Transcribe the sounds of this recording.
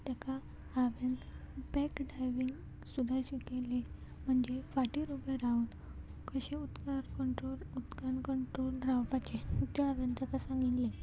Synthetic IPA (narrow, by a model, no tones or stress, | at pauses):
t̪jakaː | ʋent̪bɛkɖajʋiŋɡ | sud̪ʱajɕʋikele | m̤əɳd͡ʑefaʈiɾubeɾaut̪ | kəɕeut̪kaɾkəɳʈɾolut̪kankəɳʈɾolɾawpat͡ɕet̪aaʋent̪akasãŋɡit̪le